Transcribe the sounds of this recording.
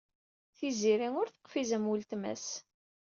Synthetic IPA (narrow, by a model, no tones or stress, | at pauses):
θiziɾiŋʊɾθə̥qːfizæmwult̪mæ̰s